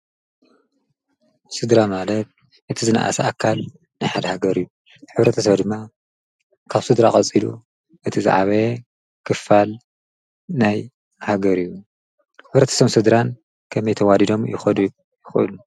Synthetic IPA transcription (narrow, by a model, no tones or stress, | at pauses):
sɨd̪ɾamalɐt̪̚ | ʔɨt̪ʰizɨna̰ʔa̰sɐʔakʰːal | najħad̪ɐhaɡɐɾijːu | ħɨβɾɐt̪ʰɐs̬ɐβd̪ɨmːa | kʰaβsɨd̪ɾa̰χʼɐt͡sʼilṵ | ʔɨt̪ʰiza̰ʕβɐ | kʰɨfːal | naj | haɡɐɾijːu | ħɨβɾɐt̪ʰɐ̥sɐmsɨd̪ɾan | kʰɐmɐjt̪ʰɐwadid̪o̞mjɪ̰xɐd̪u | jɪxʔɨ̰lu